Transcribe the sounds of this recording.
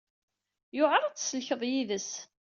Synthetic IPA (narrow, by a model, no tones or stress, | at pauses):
jʊʁɑɾˤæt͡sːsəlçəðˤjiðəs